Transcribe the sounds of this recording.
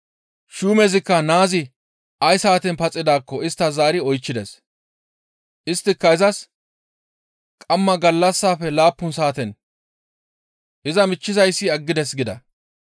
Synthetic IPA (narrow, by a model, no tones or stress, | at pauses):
ʃuːmɛzɪkːɐnaːzɪ | ʔɐjsaːt̪ɛnpɐt͡sʼːɪd̪aːkːɔɪst̪ːɐzaːɾɪɔjt͡ʃːɪd̪ɛs | ʔɪst̪ːɪkːɐɪzɐs | kʼɐmːɐɡɐlːɐsːaːfɛlaːpːʊnsaːt̪ɛn | ʔɪzɐmɪt͡ʃːɪzɐjsːɪɐɡːɪd̪ɛsɡɪd̪ɐ̰